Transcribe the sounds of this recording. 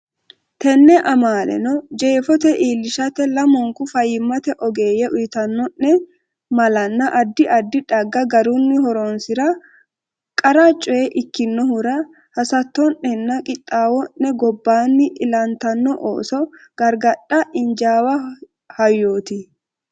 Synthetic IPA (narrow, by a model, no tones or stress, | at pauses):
t̪ɛnːɛʔɐmaːlɛ̰nɔd͡ʒe̞ːfɔt̪ɛʔiːlːɪʃɐt̪ɛlɐmɔŋkʊfɐjːɪmːɐt̪ɛʔɔɡe̞ːjɛʔʊjɪt̪ɐnːɔnːɛ | mɐlɐnːɐʔɐd̪ːɪʔɐd̪ːɪᶑɐɡːɐɡɐɾunːɪhɔɾonsɪɾɐ | kʼɐɾɐt͡ʃʼɔjɛʔɪkːɪnːɔhʊɾɐ | hɐsɐt̪ːɔnːɛnːɐkʼɪt̪ʼːaːwɔnːɛɡɔbːaːnːɪʔɪlɐnt̪ɐnːɔʔo̰ːsɔɡ̥ɐɾɡɐᶑːɐʔɪnd͡ʒaːwɐ | hɐjːoːt̪ɪ